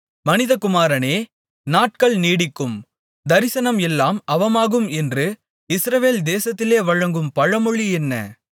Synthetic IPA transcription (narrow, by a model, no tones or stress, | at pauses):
mɐnɪðɐkʊmaːɾɐneː | naːʈkɐɭniːɽɪkːɯm | d̪ɐɾɪsɐnɐmɛlːaːmɐʋɐmaːɣɯmɛndrɯ | ɪsɾɐʋeːld̪eːsɐt̪ːɪleːʋɐɻɐŋɡɯmpɐɻɐmɯɻiɛnːɐ̰